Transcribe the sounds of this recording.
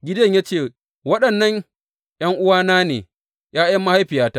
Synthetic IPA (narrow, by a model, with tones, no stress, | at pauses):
ɡʲɪ˦dɐ˦ɲjaː˦t͡ʃeː˦˨ | wɐ˦ɗɐ˨nːɐ˦ɲ | j̰ɐ˦ŋʔʊ˦waː˦naː˦nḛː˨ | jaː˦jɐ˦mːɐ˦ha˦jɸɪ˨jaː˦ta˦